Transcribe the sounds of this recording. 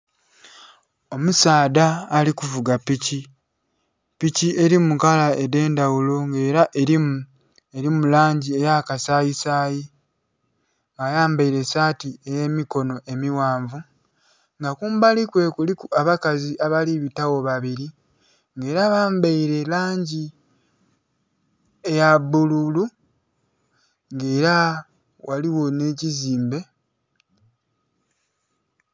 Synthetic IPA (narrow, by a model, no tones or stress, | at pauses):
o̞musaːdaːlikuvuɡapici | piciʔe̞ɾimukalaede̞ːndawulo̞ŋɡe̞ːɾaʔei | eɾimulaːɲɟie̞jakasajisaːji | ŋɡajaːmbaiɾe̞saːtie̞je̞ːmiko̞no̞ʔe̞miwaːɱvu | ŋɡakuːmbalikwe̞kulikuaβakaziʔaβaliβitawo̞βaβiɾi | ŋɡe̞ːɾaβaːmbaiɾe̞laːɲɟi | ejabululu | ŋɡe̞ːɾa | waliwo̞ne̞ciziːmbe̞